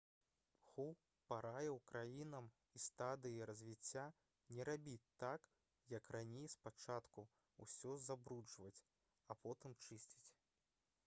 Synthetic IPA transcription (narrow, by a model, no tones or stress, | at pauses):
xuw | paɾajɛwkɾajinɐm | ist̪ad̪ɨjiɾɐzʲvʲit͡sʲːa | nʲɛɾabʲit͡sʲt̪ak | jɐkranʲejspat͡ʂat̪ku | ṵsʲɔzabɾud͡ʐvɐt͡sʲ | ɐpɔt̪ɨmt͡ʂɨsʲt͡sʲi̥t͡sʲ